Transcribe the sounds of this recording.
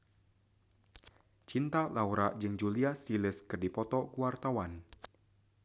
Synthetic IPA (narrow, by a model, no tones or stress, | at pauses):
t͡ʃint̪alauɾaʔd͡ʒɨŋd͡ʒuliasiləskɨrdipɔt̪ɔkuwart̪awan